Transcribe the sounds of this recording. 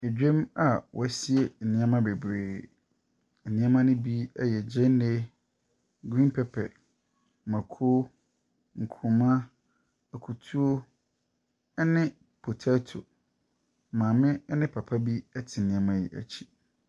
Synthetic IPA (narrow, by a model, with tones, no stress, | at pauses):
e˨d͡ʑᶣe˦ma˨wʔɔ̰˨ɛ˦si˦e˨n̩˨nɪ̃˦ã˦mã˦be˨bɾeː˨ | ɛ˨nɪ̃˦a˦mã˦nʊ̃˦bi˦ɛ˦jɛ˨d͡ʑɛ̃˦n˦ne˦ | ɡɾĩ˦npʰɛ˦pʰɛ˨ | mã˨kʰo˦ | ŋ̩˨kʰʊ̃˨mã˦˨ | kʰu˨tʰu˦o˦ | nɪ̃˦ | pʰo˨tʰa˦tʰo̰˨ | mãː˨mɪ̃˦ɛ˦nɪ̃˦pʰa˨pʰa˦bi˦ɛ˦tʰɪ˨nĩ˨a˦mã˦jḭ˨ʔæ̰˨t͡ɕʰi̥˦